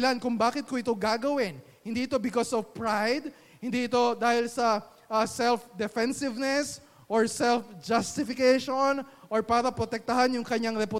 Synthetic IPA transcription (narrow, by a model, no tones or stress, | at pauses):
lankʊŋbaːkɪt̪̚koʔɪt̪o̞ɡaːɡɐwɪn | hɪnd̪iːʔɪt̪o̞bɪkosɔvpɹajd̪̚ | hɪnd̪iʔɪt̪o̞d̪aːhɪlsɐ | ʔsɛlfd̪ɛfɛnsɪvnɛs | ʔoɹsɛlfd͡ʒɐst̪ɪfɪkɛʃonʔoɹpaːɾɐpɾot̪ɛk̚t̪ɐɦanjʊŋkɐɲaŋɾɛpʊ